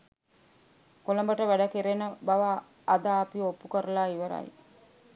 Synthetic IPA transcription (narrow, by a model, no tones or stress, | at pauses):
koləmbəʈəʋæɖəkeɾenəbaʋaː | d̪aːpiopːukəɾəlaːiʋəɾɐ̰j